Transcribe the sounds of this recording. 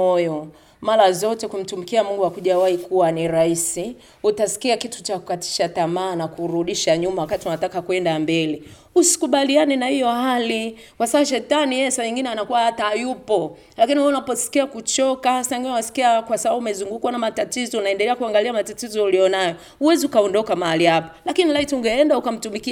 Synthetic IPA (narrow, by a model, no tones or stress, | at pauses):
ɔjɔ | maɾazɔtɛkum̩tumikiamuŋɡuwakuʄawaikuwaniɾaisi | utasi̥kiakitu̥t͡ʃakukati̥ʃatamaːnakuɾuɗiʃaɲumawakatiunatakakwɛndambɛli | usi̥kuɓalianɛnahijɔhali | kwasaaʃ̬ɛtanijɛɛsaɲiŋɡinɛanakuwahatajupɔ | lakinihuunapɔsi̥kiakut͡ʃɔkahasaɲiŋɡinɛunasi̥kiakwasaɓauumɛzuŋɡukuwanamatatizɔunaɛndɛlɛakuaŋɡaliamatatizɔulijɔnajɔ | uwɛziukaɔndɔkamahalihapḁlakinilaitiuŋɡɛɛndaukam̩tumiki